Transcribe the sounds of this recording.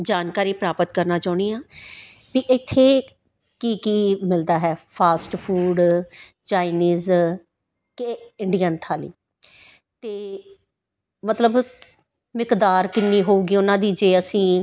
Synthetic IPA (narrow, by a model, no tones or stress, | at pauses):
d͡ʒaːnkaːɾiːpɾaːpət̪kəɾnaːt͡ʃaːʊɳ̃iːjãː | biːʔɪt̪ʰːeː | kiːkiːmɪld̪aːɦɛːpʰaːsʈpʰuːɖt͡ʃaːɪniːz | keɪɳɖijənt̪ʰaːlḭː | t̪eː | mət̪ləb | mɪkd̪aːɾkɪnːiːɦoːuːɡiːʊnãːd̪iːd͡ʒeːəsĩː